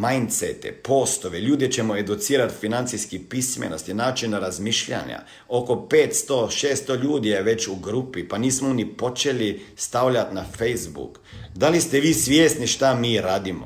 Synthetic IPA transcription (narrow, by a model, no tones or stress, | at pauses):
majnt̪sḛt̪ḛpo̞st̪oʋeʎuːd̪it͡ɕe̞moe̞d̪ut̪siːɾat̪finant̪siskipismḛnost̪inaːot͡ʃinɾazmiːʃʎa̰ɲa̰ | o̞ko̞peːt̪st̪oʃeːst̪oʎuːd̪ijeʋe̞t͡ɕuɡɾupipaniːsmonipo̞t͡ʃelist̪awʎʲat̪nafejzbṵk | d̪alist̪eʋiːsʋjeːst̪niʃt̪amiːɾaːd̪imo̰